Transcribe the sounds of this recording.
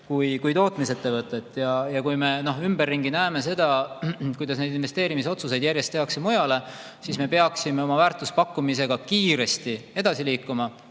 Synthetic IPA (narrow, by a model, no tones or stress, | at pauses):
kujkujt̪o̞ːt̪ˑmise̞t̪ːe̞vɤt̪ːˑe̞t̪ːˑjɑjɑkujme̞no̞ɦymbe̞rːiŋɡinæeme̞s̬e̞d̪̥ɑkujd̪̥ɑs̬ne̞jd̪inve̞st̪e̞ːɾimis̬o̞t̪suse̞jd̪jæɾje̞st̪ːeɑksemojɑle̞ | sisme̞pe̞ɑksime̞o̞mɑvæːrt̪ːˑuspɑkːumise̞ɡ̥ɑkiːɾe̞st̪ie̞d̪̥ɑsiliːkːˑumɑ